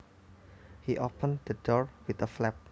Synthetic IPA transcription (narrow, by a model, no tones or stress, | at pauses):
hiʔopʰə̃nd̪̥ədɔɹwɪt̪əflɛp̚